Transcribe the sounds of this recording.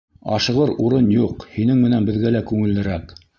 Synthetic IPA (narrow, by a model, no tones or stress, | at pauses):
ɑ̰ʃɤ̆ʁɤɾuɾɤnjuqhinɘŋmɘ̆nænbɘ̆ðɡælækʉŋɘ̆lːɘ̆ɾæk